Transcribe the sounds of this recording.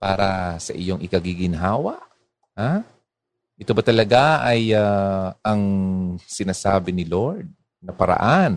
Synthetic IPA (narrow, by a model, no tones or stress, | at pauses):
pa̰ːɾɐsɐ̰ʔɪjo̞ŋʔɪkɐɡiɡɪnɦaːwɐʔ | ha | ʔɛt̪o̞bɐt̪ɐlɐɡaʔɐjaɐŋsɪnaːsaːbɪnɪloɹd̪̚ | nɐpɐɾɐ̰ʔan